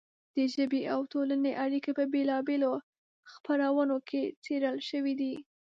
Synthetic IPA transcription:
d̪̥əʒəbeʔawt̪olaneʔaɽikapəbelɑbelo | xpaɾawənokʰet͡seɾəlʃəwid̪i

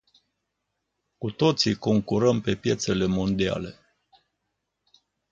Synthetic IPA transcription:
kut̪o̞t̪siko̞ŋkuɾəmpe̞pje̞t̪se̞le̞mo̞nd̪ia̰le̞

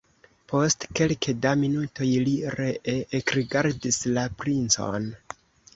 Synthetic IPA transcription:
pʰo̞stke̞lkedaminutʰo̞jliɾeʔeːkɾiɡaɾdislapɾint͡so̞̰n

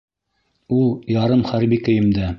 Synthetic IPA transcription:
ulˠjɑɾɤmχæɾbikɵ̆jɘ̆md̪æ

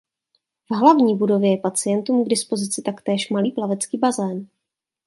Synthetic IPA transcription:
v̥ɦlavɲiːbudo̞vjɛjɛpat͡sɪjɛnt̪uːmɡdɪspo̞zɪt͡sɪt̪akt̪ɛːʃmaliːplavɛt͡skiːbazɛːn

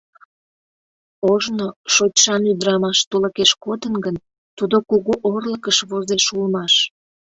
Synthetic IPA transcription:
oʒnoʃot͡ɕʃɑnyd̪ɾɑmɑʃt̪uləkeʃkod̪ənɡən | t̪ud̪okuɣuʔorləkəʃβozeʃulmɑʃ

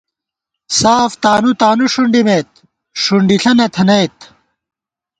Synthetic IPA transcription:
saːft̪aːnut̪aːnuʂuɳɖimet̪̚ | ʂuɳɖiɬʰɐnɐt̪ʰɐnɐjt̪

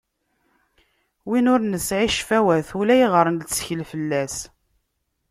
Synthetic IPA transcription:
winʊɾnəsʕiʃfæwæθulæjiʁəɾˤənlt͡sːçəlfəlːæs

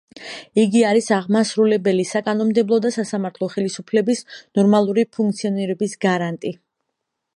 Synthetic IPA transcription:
iɡiaɾisaʁmasɾulɛbɛlisakʼanɔmd̪ɛblˠɔd̪asasamaɾt̪ʰlˠɔχɛlisupʰlɛbisnɔɾmalˠuɾipʰuŋk̚t̪sʰiɔniɾɛbisɡaɾant̪ʼi

